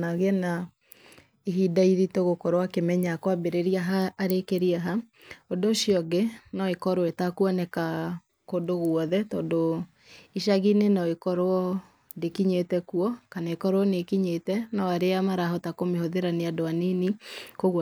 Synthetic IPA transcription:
naɣena | eɦidaiðitoɣokɔɾwakemɛɲakwabeɾeɾiaɦaːɾekeɾiaɦa | odoʃiɔɡenɔekɔɾoetakuɔnɛka | kodoɣwɔðɛtɔːndo | iʃaɣinenɔekɔɾɔ | dekiɲetɛkuɔkanaekɔɾwɔnekiɲetɛnaaɾeamaɾaɦɔtakomehoðeɾaneadoaninikoɣ

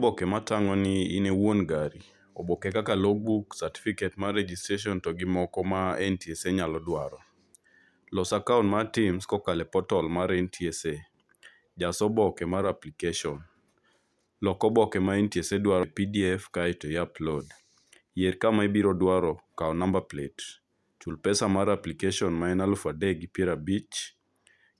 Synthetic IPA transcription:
bɔkɛmataŋɔnɪːnewonɡaɾi | ɔbɔkɛkakaloɡ̚buksati̥fiketmaɾed͡ʒistɾeʃ̬ɔntɔɡɪmɔkɔmaɛntieseɲalɔdwaɾɔ | lɔsakaunmatimskɔkalɛpɔtɔlmaɾɛntʰiese | d͡ʒasɔbɔkɛmaɾaplikeʃɔn | lɔkɔbɔkɛmaɛntiesedwaɾɔpidiɛfkaɛtɔjaplɔd | jeɾkamaɛbiɾɔdwaɾɔkaɔnambaplet | t͡ʃulpɛsamaɾaplikeʃɔnmaɛnalfadɛɡipjɛɾabit͡ʃ

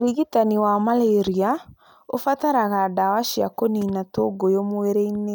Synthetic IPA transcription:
liɣitaniwamaleɾia | ofataɾaɣadawaʃia̰koninatoɡojomoeɾeine

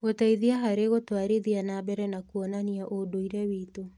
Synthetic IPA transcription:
ɣotaiðiaɦaɾeɣotwaɾeðianabɛɾɛnakuɔnaniaʔodoiɾɛwiːto

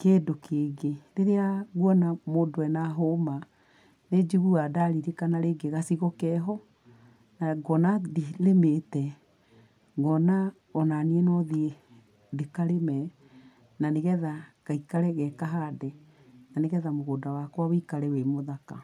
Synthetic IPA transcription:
keːdokeɡeɾeɾeaɣwɔnamoːdowɛnaɦoma | ned͡ʒiɣuadaɾiɾekanaɾeɡeɣasiɣɔkɛɦɔ | naɡɔnadilemetɛ | ɡɔna | ɔnaniɛnɔðie | dekaɾemɛ | naneɣɛðaɣ̥aikaɾɛɣɛkaɦadɛ | naneɣɛðamoɣoːdawakwawikaɾɛwemoðaka̰

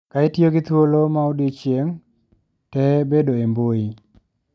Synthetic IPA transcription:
kaitjoɡɪt̪wolomaodit͡ʃjeŋ | tɛbedoemboi

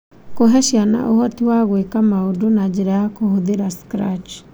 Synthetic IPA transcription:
koɦɛʃjana̰ʔohɔtiwaɣwekamaodonad͡ʑeɾajakohoðeɾaskɾat͡ʃ

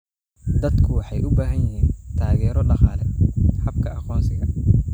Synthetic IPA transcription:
d̪ɐd̪kʰʊwɑħɑjʔʊbaːɦɐnjɪhiːnt̪ʰaːɣɛːɾɔɖɑqɑːlɛhɐbkʰɐʔɑqɔːnsɪɣɐ

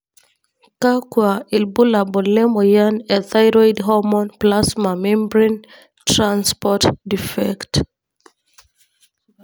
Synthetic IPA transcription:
kakwailbulabɔlɛmɔjanɛθajɹɔjdɦɔmɔ̃nplasmamɛ̃mbɹĩn | tɹãnspɔtdifɛkt

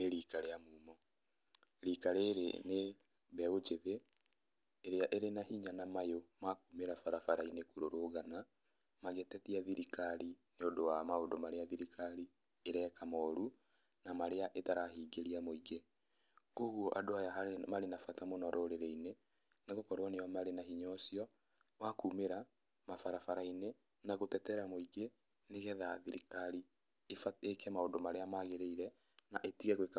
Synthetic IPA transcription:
neɾikaɾejamumɔ | ɾikaɾeɾḛne | βɛod͡ʒeðeː | ɾeaʔeɾenahiɲanamajomakumeɾafaɾafaɾainekuɾoɾoɣana | maɣɛtɛtiaðiɾikaɾineodowamaodomaɾeaðiɾikʰaɾi | eɾɛkamɔɾu | namaɾeaʔetaɾahiːɡeɾiamoiɡe | oɣwoʔadoajaɦamaɾenafatamonɔɾʔoɾeɾeine | neɣokɔɾwɔnejɔmaɾenaɦiɲɔsiɔ | wakumeɾa | mafaɾafaɾaine | naɣotɛtɛɾamoiɡe | neɣɛðaðiɾikaɾi | efaekɛmaodomaɾeamaɣeɾeiɾɛ | na̰ʔetiɣɛɣweka

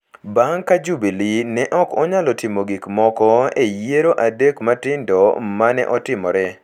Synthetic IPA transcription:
baŋkad͡ʒubilinɛʔɔkɔɲalɔtɪmoɡikmɔkɔejeɾoʔadekmatɪndɔmanɛ̰ʔɔtɪmɔɾɛ

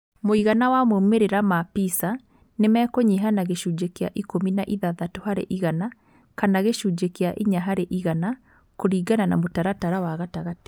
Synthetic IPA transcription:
moiɣanawamomeɾeɾamapisa | nemɛːkoɲeɦanaɣeʃuːd͡ʒekea̰ʔikominaʔiðaðatohaɾḛʔiɣana | kanaɣeʃuːd͡ʒekeaʔiɲaɦaɾeʔiɣana | koɾiːɡananamotaɾataɾawaɣataɣate̥

